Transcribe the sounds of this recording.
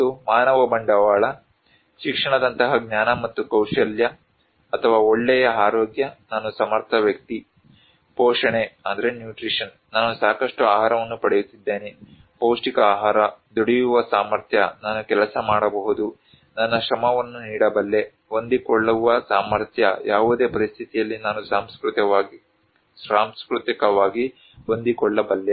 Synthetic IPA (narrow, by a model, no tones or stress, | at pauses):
t̪ːumaːnɐʋɐbɐɳɖɐʋaːɭɐ | ʃikʂɐɳɐd̪ɐnt̪ɐɦɐɡɲaːnɐmɐt̪ːukɐwʂɐljɐː | t̪ʰɐʋaːoɭːɛjɐaːɾoːɡjɐnaːnusɐmɐɾt̪ʰɐʋjɐk̚t̪i | pɔːʂɐɳeɐnd̪ɐɾenjuːʈɾiʂɐn | naːnusaːkɐʂʈuaːɦaːɾɐʋɐnːupɐɽejut̪ːid̪ːeːne | poːsʈikɐaːɦaːɾɐd̪oɽijuʋɐsaːmɐɾt̪ʰjɐnaːnukɛlɐsɐmaːɽɐbɐɦud̪u | nɐnːɐʃɾɐmɐʋɐnːuniːɽɐbɐlːe̞ | ond̪ikɔɭːɐʋɐsaːmɐɾt̪ʰjɐ̰jaːʋud̪e̞ːpɐɾist̪ʰit̪ijɐlːinaːnusaːmskɾut̪ɐ | saːmskɾut̪ikɐʋaːɡi | ond̪ikɔɭːɐbɐlːe